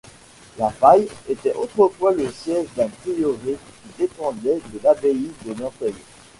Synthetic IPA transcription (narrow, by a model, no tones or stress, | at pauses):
lapajet̪ɛʔot̪χəfwaləsjɛʒd̪ãt̪iloʁekʲid̪epɑ̃d̪ɛd̪əlabeid̪onɔ̃fɛj